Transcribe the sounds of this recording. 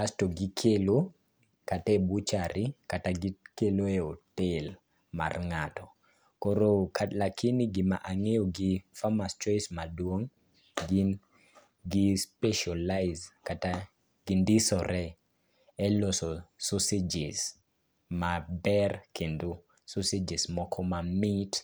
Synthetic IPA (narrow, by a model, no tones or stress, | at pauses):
astɔɡikʰelo | katɛbut͡ʃaɾikataɡikeloɛɔtel | ma̰rŋatɔ | kɔɾokʰalakʰiniɡɪma̰ʔaŋejɔɡifamast͡ʃɔjsmadwoŋ | ɡin | ɡispɛʃalaɪzkata | ɡ̥indisɔɾɛ | ɛlosɔsusid͡ʒɪs | mabɛrkʰendo | susid͡ʒismɔkʰɔmamit